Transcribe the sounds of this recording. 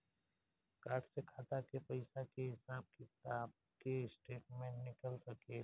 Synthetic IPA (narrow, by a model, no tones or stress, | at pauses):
kaːɾʈsekʰaːt̪akepəɪsakeɦɪsaːb̚kɪt̪aːb̚ | keɪsʈeːʈ̚mẽnɪkəlsɐke